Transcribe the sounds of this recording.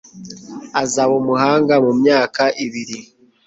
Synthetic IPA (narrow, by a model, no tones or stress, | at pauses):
azaβomuhaːŋɡamumɲaːkaʔiβiɾi